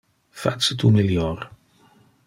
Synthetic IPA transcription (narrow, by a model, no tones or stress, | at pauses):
fa̰sət̪umiljɔɾ